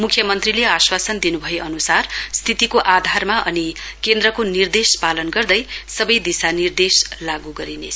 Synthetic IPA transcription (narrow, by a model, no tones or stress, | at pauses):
mukʰːjʌmʌnt̪rileaswasʌnd̪inubʱʌeʔʌnusarst̪ʰit̪ikoʔad̪ʱarmaʌnikend̪rʌkonird̪espalʌnɡʌrd̪ʌjsʌbʌjd̪isanird̪eslaɡuɡʌɾine